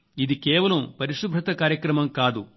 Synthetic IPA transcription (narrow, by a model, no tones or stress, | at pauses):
id̪ikeːʋɐlɐmpɐɾiʂubʱɾɐt̪ɐkaːɾjɐkɾɐmɐmkaːd̪u